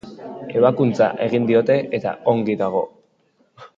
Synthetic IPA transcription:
e̞β̞akunt͡sa̰ʔe̞ɣ̞ind̪io̞t̪e̞ʔet̪a̰oŋɡiðaɣ̞o̞

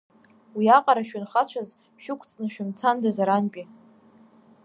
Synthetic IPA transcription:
wiaqʼaɾaʃᶣʊnχat͡ɕʷʰaz | ʃᶣʊkʷʰʼt͡sʼnɨaʃᶣɪmt͡sʰandazaɾanpʲʼi

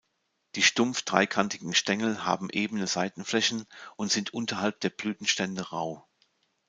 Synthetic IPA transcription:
d̥iːʃtʊmfd̥ʁa̰ɪkʰantʰɪɡŋ̩ʃtɛŋl̩ha̰ːbm̩ʔeːbənəzaɪtn̩flɛçn̩ʔʊntz̥ɪntʔʊntɐhalp̚d̥eːɐb̥lyːtn̩ʃtɛndəʁa̰ʊ

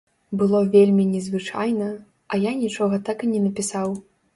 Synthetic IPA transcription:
bɨlˠɔvʲelʲmʲinʲɛzvɨt͡ʂa̰jnɐ | ɐjanʲit͡ʂɔɣɐt̪akɨnʲɛnɐpʲisaw

